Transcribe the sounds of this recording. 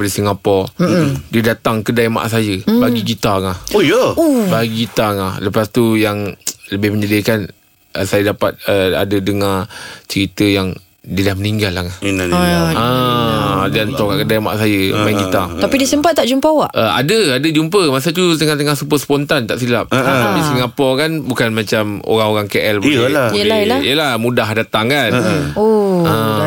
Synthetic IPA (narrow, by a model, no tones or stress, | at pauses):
palisiŋapɔ | dədat̪aŋkədajma̰ʔsajəbaɡiɡit̪aŋahojəubaɡiɡit̪aŋahləpast̪ujaŋləbɪhməɲadəkan | ʔəsajədapat̪̚əa̰dədəŋat͡ʃəɾit̪əjaŋ | didahməniŋɡalːaka | ə | dant̪ɔkakədajama̰ʔsajəmankit̪at̪apidisəmpat̪̚ːaʔd͡ʒumpəawaʔʔəa̰dəadəd͡ʒumpəmas̬ət̪̬ut̪əŋant̪əŋahsupəsəpɔnt̪ant̪aʔsilap̚t̪apisəŋapɔkanbukanmat͡ʃamo̰ɾaŋoɾaŋkeʔɛlbuəlahəaḭjəlahmudaɦdat̪aŋkanoə